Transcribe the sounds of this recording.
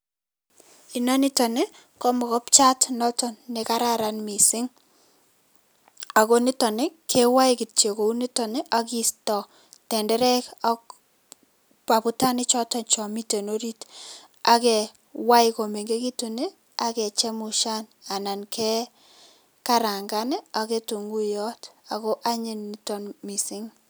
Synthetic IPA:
i˨na˦nɪ˦tɔ˨ne˦ | kɔ˦mɔ˨kɔ˦pt͡ʃa˦tnɔ˦tɔ˨nːe˨ka˦ɾa˦ɾa˨nmi˨sɪ˦ŋ | a˨ko˦nɪ˦tɔ˨ne˦kʰɛ˦wa˦ɪki˨tt͡ʃe˨ko˨u˦ni˦tɔ˨ne˦ʔa˦ki˦stɔ˨ | tɛ˨ndɛ˦ɾɛ˦ka | pa˨pu˦ta˦nɪ˦t͡ʃɔ˦tɔ˨nt͡ʃɔ˨mi˦te˨no˦ɾi˦t | a̰˨kɛ˨ | wa˦iko˨me˨ŋɡe˦ki˦tu˨ne˦ | a˦kɛ˨t͡ʃɛ˦mu˨ʃa˦na˨na˨nkʰɛ˦ | ka˦ɾa˨ŋɡa˦ne˦a˨ke˦tu˨ŋɡu˦jɔ˦ta˨ko˦ʔa˦ɲe˨nːɪ˦tɔ˨nmi˨sɪ˦ŋ

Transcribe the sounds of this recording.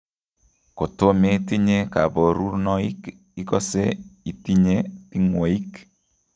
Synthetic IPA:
ko˨to˦me˦ti˦ɲe˦ka˨bɔ˨ɾu˦ɾnɔ˦i˦k | i˦kɔ˦se˦i˨ti˦ɲe˦ti˦ŋwo˨i˦k

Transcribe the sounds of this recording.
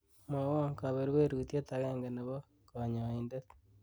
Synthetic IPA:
mo˨wo˦ŋka˨βe˨ɾwe˦ɾutje˦taɣeːŋɡe˨ne˨βo˦ | koɲa˨indet

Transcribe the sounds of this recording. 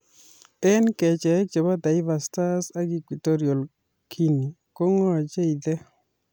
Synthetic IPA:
ɛ˦nkɛ˨t͡ʃɛ˨˦t͡ʃɛ˨ba˦d̪a˨ɪ˦va˨sta˦sa˦ɡi˦kwi˨to˦ɾi˨o˨l | kʰi˦ni˨ | ko˦ŋɔ˦˨d͡ʒe˦i˨d̪ɛ˦

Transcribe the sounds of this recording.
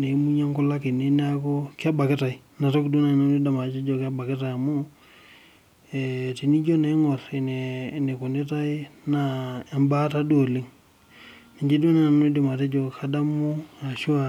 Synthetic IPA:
ne˨˦mu˦ɲa˦ŋku˦la˦ki˨ne˦n˦a˦ko˦ka˦ba˨kɪ˦ta˨i˨ | na˨to˦kdu˦na˨no˦ni˦da˨ma˨t͡ʃe˦d͡ʒɔ˨ka˦ba˨kɪ˦ta˨ja˨mu˦ | e˨ti˨ni˦d͡ʒo˦ne˨˦ŋɔ˨ɾi˨n˨ne˨ku˨ne˦ta˦i˦na˨a˨mba˦ta˦do˨li˦ŋ | ni˨ɲd͡ʒi˦do˦na˨o˦nu˦di˨ma˨te˦d͡ʒɔ˨ka˦da˦mu˦a˨ʃu˦a˨

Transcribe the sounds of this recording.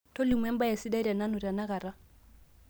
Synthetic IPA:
to˦li˨mwɛ˦m˦ba˦ɛ˨sɪ˦da˦ɾa˨na˦nʊ˨ra˨na˦ka˨ɾa˦

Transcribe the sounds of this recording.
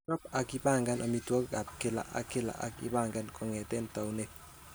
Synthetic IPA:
tɔ˦pa˨kɪ˦ba˦˨ŋɡa˦nʔa˨mi˦twɔ˦kɡa˨p̚kɪ˦la̰˦˨ʔa̰˨kɪ˦la̰˨ʔa̰˨kɪ̰˦ba˦˨ŋɡa˦nkʰʼɔ˨ŋɛ˨tɛ˦nta˨u˦ne˦˨p

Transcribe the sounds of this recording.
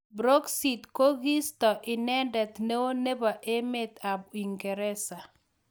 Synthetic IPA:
bɾo˦ksi˨tko˦ɡi˦stɔ˨ʔɪ˨nɛ˦ndɛ˨t̪ne˦wo˦ne˦ba˨ʔe˦me˦t̪a˨bi˨ŋɡɛ˨ɾɛ˦sa˨

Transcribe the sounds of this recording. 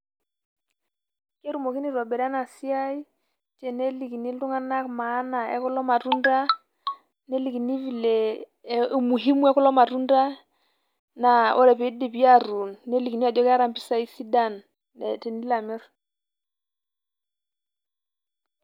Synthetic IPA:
ke˦ɾu˨mo˨ki˦ni˦˨ɾɔ˨bɛ˨da˦na˨si˦a˦i˦ | tɛ˨ne˦li˨ki˨ni˦lu˦ŋa˦na˦kmaː˨˦na˨ɛ̰˦kʊ˦lɔ˦ma˨tu˦nda˦ | ne˦li˨ki˨ni˦vi˨le˨ | mu˨ɦi˦mu˦ɛ˦kɔ˦lɔ˦ma˨ɾu˦nda˦ | na˨ɔ˦˨ɾɛ˨pe˨i˦di˨pi˦a˦˨ɾu˨nːe˦li˨ki˨ni˦a˨d͡ʒɔ˦ka˦ɾa˦˨mpi˦sa˦i˦si˦da˦˨n | ɛ˨tɛ˨ndi˦la˨mɛ˦ɾ

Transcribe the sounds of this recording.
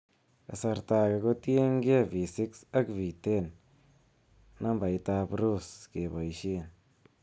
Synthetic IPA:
a̰˨sa˧ɾta˧ka˧ko˦te˦ŋ˦ke˦˨vi˨si˦ksa˦kvi˨te˦˨n | na˦mba˨i˧ta˧pɾu˦˨ske˨ba˨i˨ʃi˦˨n

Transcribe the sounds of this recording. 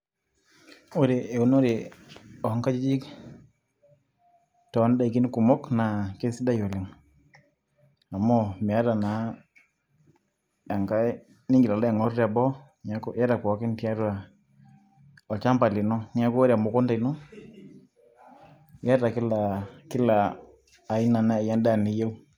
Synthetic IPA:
o˦ɾe˨e˨u˨˦no˦ɾe˨ɔ˨ŋka˦t͡ʃi˦d͡ʒi˦k | tɔ˨˦n˦da˨i˨ki˦n˦ku˨mɔ˦kna˨ke˦si˦da˦jo˨lɪ˨ŋ | a˨mɔ˦mɛ˨a˦ɾa˨na˨˦ | a˨ŋka˦ | nɪ˦ŋɡɪla˨lɔ˦ja˨ŋɔ˨˦ra˨bɔ˦ | ɲa˨˦ko˦ja˦ɾa˨pɔ˨˦kɪ˦n˦tja˦ɾwa˨ | ɔ˨t͡ʃa˦mpa˨li˨nɔ˦n˦a˦ko˦ɾja˨mɔ˨kɔ˦nda˨i˨nɔ˦ | ja˦ta˨kɪ˦la˨kɪ˦laː˨ | ɪ˦na˨na˦˨ja˦nda˦˨ni˨˦je˦u˦

